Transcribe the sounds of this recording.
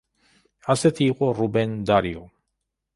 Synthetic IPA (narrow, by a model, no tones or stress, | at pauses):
aset̪iɣorubend̪aɾio